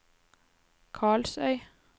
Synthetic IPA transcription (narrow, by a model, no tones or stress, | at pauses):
kʰɑːɭsœʏ